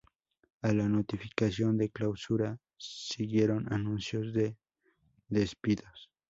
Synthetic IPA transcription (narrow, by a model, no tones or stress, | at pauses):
alanot̪ifi̥kasjo̞nd̪eklawsuɾa | siɣje̞ɾonanunsjozd̪e | d̪espiðos